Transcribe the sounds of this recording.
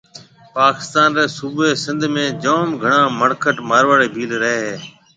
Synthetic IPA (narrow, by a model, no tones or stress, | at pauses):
paːkɪ̥st̪aːnɾeːsuːbeːsɪ̃nd̪ʱmẽːd͡ʒoːmɡʱəɳ̃ãːməɽkʰəʈmaːɾʋaːɽeːbʱiːlɾəɦeːɦeː